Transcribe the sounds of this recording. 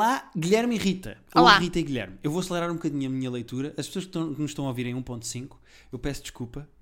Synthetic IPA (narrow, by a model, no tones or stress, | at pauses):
lˠaɣiʎɛɾmiʁit̪ɐ̰ɔaʁit̪ɐiɣiʎɛ̰ɾmewvoɐslˠɨɾaɾũbukɐðiɲɐmiɲɐlˠɐjt̪uɾɐʔɐʃpsoɐʃkt̪ɐ̃w̃knũʃt̪ɐ̃w̃ɐoviɾɐ̃j̃ũpõnt̪sĩŋku̥ | ewpɛsd̪ɨʃkulˠpɐ